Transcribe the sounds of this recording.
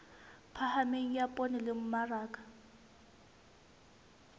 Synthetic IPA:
pʰahameŋ̩japʼonɪlɪm̩maraːkʼḁ

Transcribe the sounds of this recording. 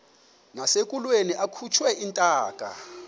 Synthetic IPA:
nasekʼulweniʔakʰut͡ʃʰwɛintʼaːkʼa̰

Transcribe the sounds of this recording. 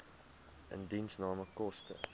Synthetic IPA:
ʔə̰ndinsnɑːməkɔstə̰

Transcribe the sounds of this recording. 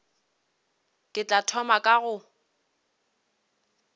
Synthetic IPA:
kʼɪt͡ɬʼatʰɔmakʼaɣʊ

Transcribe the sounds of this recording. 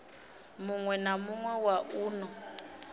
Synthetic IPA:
muŋwɛnamuŋwɛwaʔuːnɔ

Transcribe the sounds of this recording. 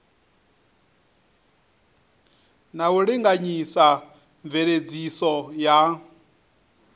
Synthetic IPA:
nauɺiŋɡaɲisa | ɱveɺed͡zisɔja

